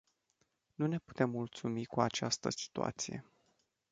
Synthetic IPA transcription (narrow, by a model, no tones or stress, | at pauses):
nune̞pu̥t̪e̞mːult̪sumikuat͡ʃast̪əsi̥t̪ua̰t̪sije̞̰